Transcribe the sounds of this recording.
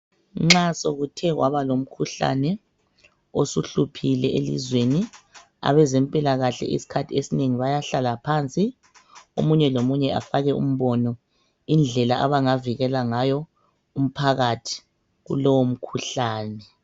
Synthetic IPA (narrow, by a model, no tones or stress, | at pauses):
ŋ͡ǁasoɣutʰɛɣwʔaβalom̩kʰuɬa̰nɛ | osuɬupʰilɛʔelḭzweni | a̰βɛzempʼilaɣaɬɛ̰ʔḭsi̥kʰatʰiesineŋiβajaɬalapʰant͡sʼi | o̰muɲɛlomuɲɛa̰faɣɛṵm̩βɔnɔ | ind͡ɮʱɛlaʔaβaŋaviɣɛlaŋajɔ | um̩pʰaɣatʰi̥ | ɣṵlɔwom̩kʰuɬaːnɛ